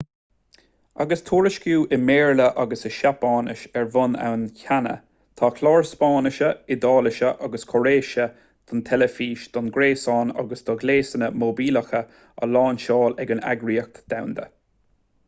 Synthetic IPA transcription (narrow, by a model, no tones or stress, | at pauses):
aɡəst̪ʰuːɹəʃkjuːʔɪmeːɹləʔaɡəsəʃapɑːnəʃɛɹvʊna̰wnçanə̰ | t̪ʰɑːkʰlɑːɹspɑːnəʃəɪd̪ɑːləʃəʔaɡəskʰɔɾeːʃə | d̪̥ɔnt̪ʰɛləfiːʃd̪̥ɔnɡɾeːsɑːna̰ɡəsd̪̥ɔɡleːsənəmobiːləxə | ə̰lɑːnʃɑːlɛɡəna̰ɡɹiːək̚t̪d̪̥awnd̪ə̰